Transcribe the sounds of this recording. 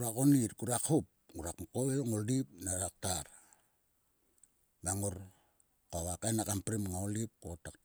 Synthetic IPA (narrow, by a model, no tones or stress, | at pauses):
uɾakonitkuɾakhup̚ɡuɾakmukoeŋoldip̚naɾak̚taɾ | maŋoɾ | kaβakajnakampɾimŋaolip̚kotak